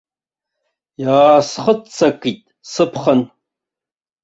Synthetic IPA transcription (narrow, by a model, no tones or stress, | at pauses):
jaːsχət͡sʰɐkʼitʼ | sɨpʰχən